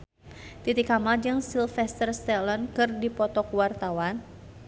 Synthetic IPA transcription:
t̪it̪ikamad͡ʒəŋsilfɛst̪ərst̪ɛlɔnkɨrdipɔt̪ɔkwart̪awan

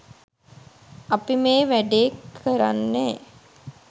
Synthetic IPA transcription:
apimeːʋæɖeːkʰːəɾa̰nːeː

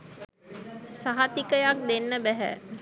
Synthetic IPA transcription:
saɦat̪ikəjak̚d̪enːəbæɦæ̰

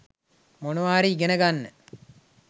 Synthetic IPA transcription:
monuʋaːɾiɡenəɡanːə

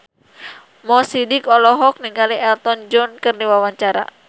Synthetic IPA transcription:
mɔsidikɔlɔɦɔk̚niŋɡaliɛlt̪ɔnd͡ʒɔnkɨrniwawaɲt͡ʃaɾa̰

